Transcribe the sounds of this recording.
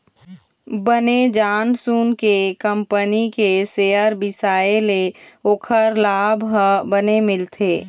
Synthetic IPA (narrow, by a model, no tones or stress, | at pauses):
bəned͡ʒaːnsuːnkekə̃mpənikeseːəɾbɪsaːeleoːkʰəɾlaːbʱɦəbənemɪlt̪ʰeː